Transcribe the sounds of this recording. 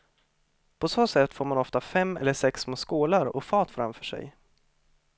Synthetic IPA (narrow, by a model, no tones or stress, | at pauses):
pʰɔsoːsɛt̪ːfoːɾmanɔft̪afɛmːɛ̰lːəʂɛksmoːskuːlaɾɔ̰fɑːt̪fɾa̰mfœːʂɛ̰j